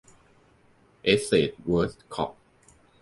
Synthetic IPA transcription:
ʔe˦se˨t̪̚wə˦stkʰɔ̰˦p̚

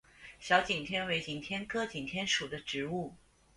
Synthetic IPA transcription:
ɕjɑ˧˥ʊt͡ɕi˨˩ŋt̪ʰjɛ˥nwe˧˥ɪt͡ɕi˨˩ŋt̪ʰjɛ˥nkʰɤ˥t͡ɕi˨˩ŋt̪ʰjɛ˥nʂu˨˩d̪ə˦ʈ͡ʂɻ̩˧˥u˥˩

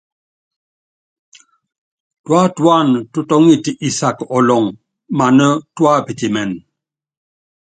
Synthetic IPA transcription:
twa˦twa˦˨ntu˦tɔ˦ŋi˦ti˨ʔi˦sa˦˨kɔ˨lɔ˨ŋ | ma˨nə˦twa˦pi˨ti˨mɛ˨n

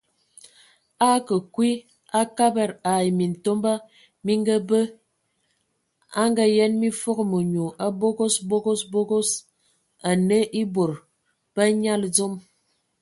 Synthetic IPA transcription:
a˦kə˨kwi˦ | a˦ka˦bɛ˨ɾa˨jmi˨n̩˨to˦mba˦ | mi˦ŋ˦ɡə˦bə˦ | a˦ŋɡa˦jɛ˦nmi˦fo˦ɣmo˨ɲu˨ʔa˦bo˦ɡo˦sbo˦ɡo˦sbo˦ɡo˦s | a˨ne˦ʔi˦bo˨ɾ | b̥ə˦ɲa˦ld͡zo˦m

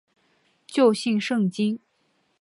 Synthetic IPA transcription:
t͡ɕjo˥˧ʊɕi˥˧nʂɤ˥˩ŋt͡ɕi˥n

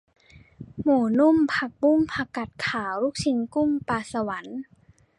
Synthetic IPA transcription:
muː˨˩nu˥˨mpʰa˧k̚bu˥˩ŋpʰa˧ka˨˩t̪̚kʰaː˩˦wɾuː˦˥˩k̚t͡ɕʰi˧nku˥˩ŋpaː˧˩sa˧wa˩˦n

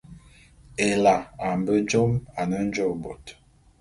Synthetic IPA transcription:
e˨la˨a˨m˨bə˦d͡ʒo˦ma˨nə˦n̩˦d͡ʒo˦bo˨t

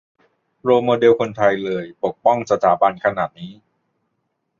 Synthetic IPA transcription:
ɾoː˧moː˧de˧wkʰo˧nt̪ʰa˧jlɤː˧jpo˨˩k̚pɔ˥˩ŋsa˧t̪ʰaː˩˦ba˧nkʰa˧naː˨˩t̪̚niː˦˥

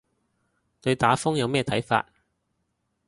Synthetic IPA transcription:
t̪ɵ˧ɥt̪aː˨˥fʊ˥ŋjɐ˨˧wmɛː˥t̪ʰɐ˨˥jfa̰ː˧t̚

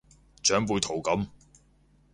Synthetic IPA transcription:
t͡ʃœː˨˥ŋpuː˨˧jt̪ʰo˨˩wkɐ˨˥m

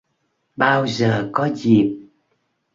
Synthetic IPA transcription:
ɓaː˧wzəː˨˩kɔ˨˦zi˨˩p̚

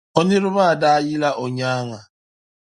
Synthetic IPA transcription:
o˦nɪ˦ɾʊ˦ba˦˨da˦jɪ˦la˦ʔo˨ɲa˦a˦ŋa˨

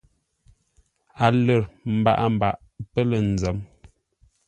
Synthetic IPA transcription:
a˨lə˨ɾm̩˨ba̰˦ʔa˦m̩˨ba̰˨ʔ | pə˦lə˨n˨d͡zə˨˦m

